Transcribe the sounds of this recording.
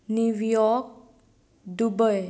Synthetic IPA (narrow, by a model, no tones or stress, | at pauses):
nuwjɔk̚ | dubəj